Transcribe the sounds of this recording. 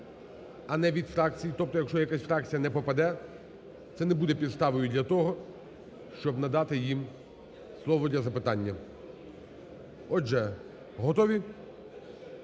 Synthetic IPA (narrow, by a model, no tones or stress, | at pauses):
ɐnɛʋʲid̪fɾɑk̚t͡sʲijit̪ɔp̚t̪ɔjɐkʃt͡ʃɔjɐkasʲfɾɑk̚t͡sʲijɐnɛpɔpɐd̪ɛ | t̪sɛnɛbud̪ɛpʲid̪st̪ɑʋɔjʊd̪ʲlʲɐt̪ɔɦɔ | ʃt͡ʃɔbnɐd̪ɑt̪ɪjim | slˠɔʋɔd̪ʲlʲɐzɐpɪt̪ɑnʲːɐ | ɔʒɛ | ɦɔt̪ɔʋʲi